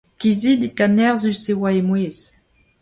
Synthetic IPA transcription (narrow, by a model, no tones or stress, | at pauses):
kizid̪ikanɛʁzysewaemweːz̥